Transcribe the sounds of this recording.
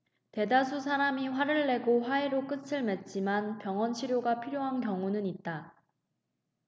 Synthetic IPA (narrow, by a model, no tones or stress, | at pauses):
te̞das̬ʰusʰaɾamiɸwaɾɯɭːe̞ɡoɸwaeɾok͈ɯsʰɯɭme̞t̚t͡ɕ͈imanpjʌŋʌnɕʰiɾjoɡapʰiɾjoɦankjʌŋunɯnit̚t͈a